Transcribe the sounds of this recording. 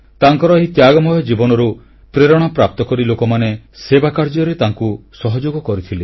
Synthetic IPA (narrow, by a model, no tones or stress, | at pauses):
t̪aŋkɔɾɔeɦit̪jaɡɔmɔjɔd͡ʒibɔnɔɾu | pɾeɾɔɽ̃ɔpɾap̚t̪ɔkɔɾilokɔmanesebakaɾd͡ʒɔɾet̪aŋkusɔɦɔd͡ʒoɡɔkɔɾit̪ʰili